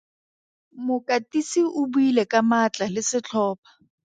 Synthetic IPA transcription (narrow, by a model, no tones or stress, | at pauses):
mʊkʼatʼisiʔʊbuilɛkamat͡ɬʼalɪsɪt͡ɬʰɔːpʰḁ